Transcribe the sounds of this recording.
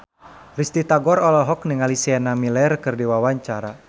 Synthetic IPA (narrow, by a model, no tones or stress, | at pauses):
rist̪it̪aɡɔɾɔlɔɦɔk̚niŋalisianamilɛrkɨrdiwawaɲt͡ʃaɾa